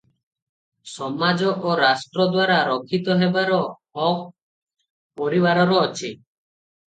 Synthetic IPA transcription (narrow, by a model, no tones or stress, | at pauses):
sɔmad͡ʒɔʔoɾasʈɾɔd̪waɾaɾɔkʰit̪ɔɦebaɾɔː | pɔɾiβaɾɔɾɔːt͡ʃʰi